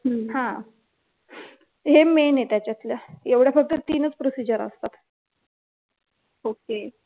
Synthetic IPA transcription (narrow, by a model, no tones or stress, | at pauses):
ɦəhã | ɦemenet̪jat͡ɕjat̪ljaeʋɽjafək̚t̪ət̪iːnət͡spɾosid͡ʑəɾə̰st̪at̪ | oke